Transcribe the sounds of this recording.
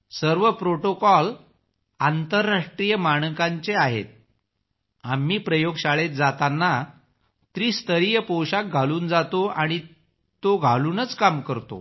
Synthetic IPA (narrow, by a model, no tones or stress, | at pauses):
səɾʋəpɾoʈokɔl | ant̪əɾːaʂʈɾijəmaɳ̃kaɲt͡ɕeaɦḛt̪̚ | amːiːpɾəjoɡɕaɭet̪̚d͡zat̪anːa | t̪ɾiːst̪əɾijəpɔwɕak̚ɡʱaluːnd͡zat̪oaɽ̃i | t̪oɡʱaluːnət͡skamkəɾt̪o̰